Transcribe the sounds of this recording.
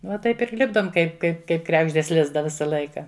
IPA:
ʋɐ ˈtɐɪp ɪr ˈlʲɪbdoːm ˈkɐɪp ˈkɐɪp kɐɪp ˈkrʲæːɡʒʲdʲeːs ˈlʲɪzdɑː ˈʋʲɪsɐ ˈlˠɐɪkɐ

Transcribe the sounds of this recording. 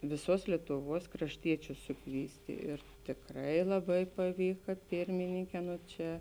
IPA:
ʋʲɪˈsuɔs lʲiɛtʊˈʋuɔs krɐʃʲˈtʲiɛt͡ʃʲʊs sʊˈkʋʲiːsʲtʲɪ ɪr tʲɪkˈrɐɪ lˠɐˈbɐɪ pɐˈʋʲiːkɐ ˈpʲɪrʲmʲɪnʲɪŋʲkʲɛː ˈnoː ˈt͡ʃʲɛ

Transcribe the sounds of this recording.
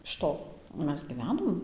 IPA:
ɪʃ ˈtoː ˈmʲɛs ɡʲiːˈʋʲæːnoːm

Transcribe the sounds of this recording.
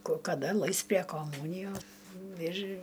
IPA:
koː kɐˈdɐ ˈlˠɐɪs pʲrʲɛ koːˈmuːnʲɪjoː ɪr

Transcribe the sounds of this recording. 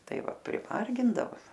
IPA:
ˈtɐɪ ˈʋɐ pʲrʲɪˈmɐrʲɡʲɪndɐʋoː

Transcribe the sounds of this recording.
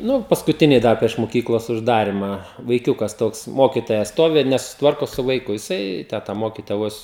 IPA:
ˈnʊ pɐskʊˈtʲɪnʲɛɪ ˈdɐr pʲrʲiɛʃ moːˈkʲiːklˠoːs ʊʒˈdɑːrʲɪmɑː ʋɐɪˈkʲuːkɐs ˈtoːks ˈmoːkʲɪtoːjɛ ˈstoːʋʲɪ ɪr nʲɛsʊsʲɪˈtʋɐrkoː sʊ ʋɐɪˈkʊ jɪˈsɐɪ ˈtʲæː tɐ ˈmoːkʲɪtoːjɛ ˈʋoːs

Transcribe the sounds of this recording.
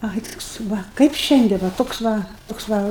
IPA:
ˈɐɪ toːks ˈʋɐ kɐɪp ˈʃʲɛnʲdʲiɛn ˈʋɐ ˈtoːks ʋɐ ˈtoːks ʋɐ

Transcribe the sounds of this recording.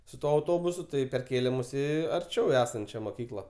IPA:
sʊ ˈtuɔ ɐʊˈtoːbʊsʊ ˈtɐɪ pʲɛrʲˈkʲeːlʲeː ˈmʊs ˈiː ɐrʲˈt͡ʃʲɛʊ ˈæːsɐnʲt͡ʃʲɛ moːˈkʲiːklˠɐ

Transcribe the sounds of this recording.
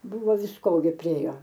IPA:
bʊˈʋoː ʋʲɪsˈkoː ɡʲɪ pʲrʲɪˈeːjoː

